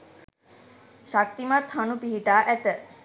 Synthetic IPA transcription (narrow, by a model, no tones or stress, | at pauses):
ʃak̚t̪imat̪hanupiɦiʈaːʔɛt̪ə